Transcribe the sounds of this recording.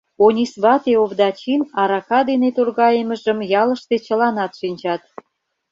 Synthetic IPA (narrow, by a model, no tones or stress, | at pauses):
onʲisβɑt̪eoβd̪ɑt͡ɕinɑɾɑkɑd̪enet̪orɣɑjəməʒəmjɑləʃt̪et͡ɕəlɑnɑt̪ʃinʲt͡ɕɑt̪̚